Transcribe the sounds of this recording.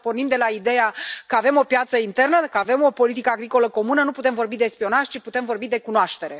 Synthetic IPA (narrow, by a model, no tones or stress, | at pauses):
po̞rnimd̪e̞laid̪e̞jakəave̞mo̞pjat̪səint̪e̞rnəkəave̞mo̞po̞lit̪̬ikəaɡɾiko̞ləko̞munənuput̪e̞mvo̞rbid̪e̞spio̞naʒʲt͡ʃiput̪e̞mvo̞rbid̪e̞kunoaʃt̪e̞ɾe̞